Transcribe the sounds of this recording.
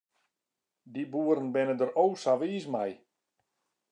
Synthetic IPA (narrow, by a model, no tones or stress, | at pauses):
dibuːəɾənbɪnədəɾowsaʋiːsmaj